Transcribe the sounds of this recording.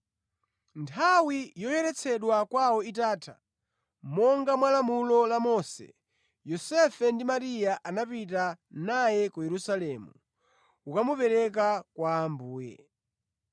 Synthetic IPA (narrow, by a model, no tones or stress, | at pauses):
ntʰawijɔjɛɾɛt͡sʰɛɗwakwawɔitaːtʰa̰ | mɔŋɡamwalamulɔlamɔsɛ̰ | jɔsɛfɛndimaɾijaʔanapitanajɛkujɛɾusalɛmu | ukamupɛɾɛk̬akwaːmbuːjɛ̰